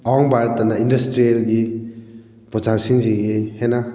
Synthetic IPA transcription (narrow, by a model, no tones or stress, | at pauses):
awaŋbaɾtɐnaindɐstɾielɡi | pɔzaŋsiŋziɡehena